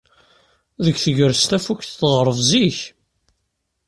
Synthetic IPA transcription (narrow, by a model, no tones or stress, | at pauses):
ðəɡθəʝəɾst̪æfukθθʁɾˤəvziç